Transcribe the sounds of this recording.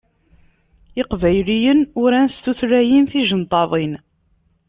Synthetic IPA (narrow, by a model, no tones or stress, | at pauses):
ɪqvæjlijənʊɾænst̪uθɾæjinθiʒənt̪ˤɑðˤin